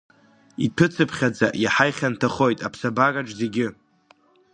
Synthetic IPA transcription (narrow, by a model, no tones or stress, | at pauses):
ipʰɨt͡sʰɨpʰχʲad͡zaʔjaħajχʲantʰaχo̞jtʼapʰsabakʼaʈ͡ʂze̞ɡʲɪ